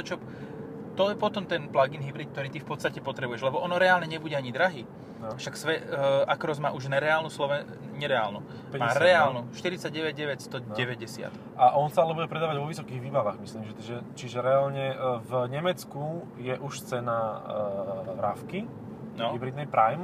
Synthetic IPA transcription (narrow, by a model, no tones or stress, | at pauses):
t̪ɔt͡ʃɔ | t̪ɔjɛpɔt̪ɔmt̪ɛnplaɡinɦibɾiːt̪k̚t̪ɔɾiːt̪ifpɔt̪st̪acɛpɔt̪ɾɛbujɛʒlɛbɔʔɔnɔɾɛaːlɲɛɲɛbuɟɛaɲid̪ɾaɦiː | aʃaksʋɛakɾɔzma̰ːʔuʒnɛɾɛaːlnuːslɔʋɛ | ɲɛɾɛa̰ːlnṵ | pmaːɾɛaːlnuʃt̪iɾit͡saɟɟɛʋɛɟ̚ɟɛʋɛcst̪ɔɟɛʋɛɟɛsɪa̰t̪ | ʔaʔɔnsaalɛbuɟɛpɾɛd̪aːʋaɟʋɔʋisɔkiːɣʋiːbaʋaɣmisliːmʒɛt̪ʒɛt͡ʃiʒɛɾɛalɲɛvɲɛmɛt͡sku | jɛʔuʃst͡sɛna | ɾa̰fki | nɔɦibɾid̪nɛjpɾajm